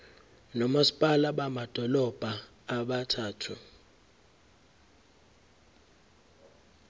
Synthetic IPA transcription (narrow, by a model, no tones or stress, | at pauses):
nɔmasi̥pʼalaɓamad̥ʱɔlɔb̥ʱaː | ɓatʰaːtʰu